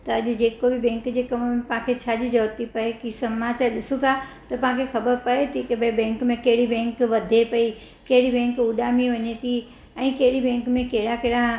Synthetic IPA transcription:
t̪ɐːʄɪ̆d͡ʑeːkobɪbɛ̃ːŋkd͡ʑeːkɐmmẽpãkʰet͡ɕʰaːd͡ʑid͡ʑɐʋət̪ipɐekisɐmat͡ɕaɾɗɪsũt̪ʰat̪ɐpɐ̃ɦãkʰexɐbəɾpɐet̪ʰikebebɛ̃ːŋkmẽkɐɦɪɽibɛ̃ːŋkʋɐd̪ʱepɐi | kɐɦɪɽibɛ̃ːŋkuɗaːmiʋɐɲet̪ʰi | ɛ̃ːkɐɦɪɽibɛ̃ːŋkmẽkɐɦɪɽakɐɦɪɽa

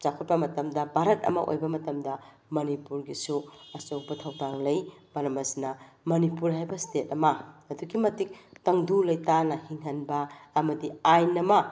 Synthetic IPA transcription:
t͡ʃakʰot̚pɐmɐtɐmdɐbʱaɾɐt̚ɐ̰mɐ̰ʔo̰jbɐmɐtɐmdɐ | mɐnipuɾɡisuɐsowbɐtʰɐwdaŋlɐjmɐɾɐmɐsinɐ | mɐnipuɾɦajbɐstet̚ɐmɐːduɡimɐtik̚tɐŋdulɐjtanɐhiŋɦɐnbɐːmɐdiajnɐmɐ

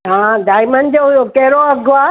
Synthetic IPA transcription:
ɦãːɖaːɪmənd͡ʑoɦʊjokɐɦɪɾoɐɡʱoaː

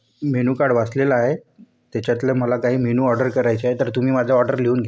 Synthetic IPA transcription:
meñuːkaɽʋaslelaːɦe | t̪jat͡ɕjat̪ləməlakaɦiːmenuːɔɾɖəɾkəɾajt͡ɕeaɦet̪əɾt̪um̤iːmad̪ʱjaɔɾɖəɾleuːnɡʱe

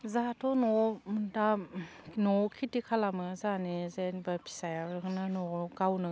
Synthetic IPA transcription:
zatʰɔnɔda | nɔkʰitikʰalamɯzanezenbapʰi̥sajaknanɔkawnɯ

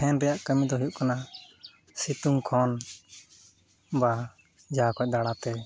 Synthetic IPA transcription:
ɛnɾɛjaʔkəmid̪ɔɦujuʔkana | sit̪uŋkʰɔn | ba | d͡ʒakʰɔc̚ˀd̪aɽat̪ɛ

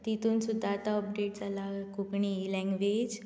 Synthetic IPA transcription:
t̪it̪uːnsud̪ʱːaːt̪aɔp̚ɖeʈd͡zalakukɳilɛ̃ŋɡʋed͡ʑ

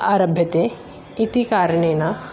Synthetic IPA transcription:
aːɾɐbʱjɐt̪e | it̪ikaːɾəɳeːna

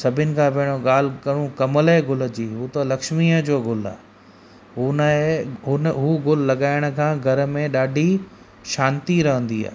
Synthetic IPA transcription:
sɐbʱɪʊnɪ̆kʰãːbɐɦɪɽ̃oɠaːl̤kɐɽ̃ũkɐməleɡʊlə̆d͡ʑiːɦuːt̪ɐlɐkʃmiːəd͡ʑoːɡʊla̰ː | ɦʊnəeɦʊnɦuːɡʊl̤lɐɠaːɪɽ̃ə̆kʰãːɡʱɐɾə̆mẽɗaːɖʱi | ʃaːnt̪iɾɐɦə̃nd̪ia̰ːɦ

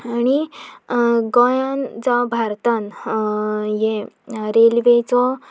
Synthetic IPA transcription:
añi | ɡɔjand͡zabʱaɾt̪an | jeɾelʋet͡sɔ

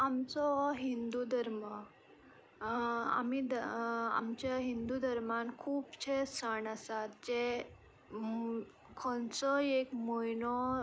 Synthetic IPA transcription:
amt͡sɔɦind̪ud̪ʱəɾmə | a̰mid̪a̰mt͡ɕjaɦind̪ud̪ʱəɾmãnkʰuːpt͡ɕʰesəɳasat̪̚d͡ʑe | kʰɔ̃nt͡sɔekmojnɔ

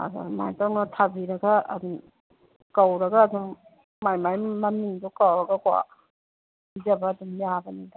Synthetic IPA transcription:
a̰da̰ma̰jtaŋnatʰabiɾɐɡaɐ̰duŋ | kawɾɐɡaːduŋ | majmajmamiŋdɔkawɾɐɡakwa̰ | bid͡ʒabaːduŋmiabɐnida

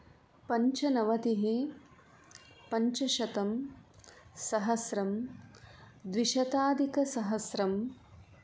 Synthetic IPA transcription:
pɐɲt͡ʃɐnɐʋɐt̪iɦe | pɐɲt͡ʃɐʃɐt̪ɐm | sɐɦɐsɾɐm | d̪ʋiʃɐt̪aːd̪ʱikɐsɐɦɐsɾɐm

